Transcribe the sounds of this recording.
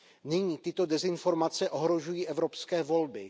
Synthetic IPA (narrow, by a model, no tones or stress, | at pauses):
nɪɲiːt̪ɪt̪o̞dɛzɪnfo̞ɾmat͡sɛʔo̞ɦɾo̞ʒujiːʔɛvɾo̞pskɛːvo̞lbɪ